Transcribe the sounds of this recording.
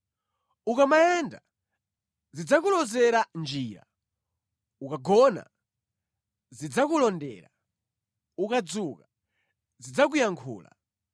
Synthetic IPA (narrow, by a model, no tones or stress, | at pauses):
ukamajɛnda | zid͡zakulɔzɛɾand͡ʒiːɾa̰ | ukaɡɔna̰ | zid͡zakulɔndɛ̰ːɾa̰ | ukad͡zuka | zid͡zak̬ujaŋkʰṵːla̰